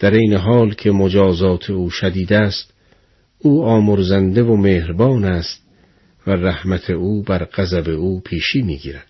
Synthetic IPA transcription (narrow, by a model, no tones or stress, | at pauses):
d̪̥æɾejneɦɒːlkʰe̞mod͡ʒɒːzɒːt̪ʰe̞uːʃæd̪iːd̪æːst̪ | uːɒːmoɾzænd̪evomeːhɾbɒːnæst̪ | væræhmæt̪ʰeuːbæɾqæzæbe̞uːpʰiːʃiːmḭːɡḭːɾæd̪̥